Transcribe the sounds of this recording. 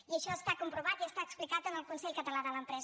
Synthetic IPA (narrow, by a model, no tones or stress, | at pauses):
iəʃɔəst̪akumpɾuβat̪iəst̪aəksplikat̪ənəlˠkunsɛʎkət̪əlaðələmpɾɛz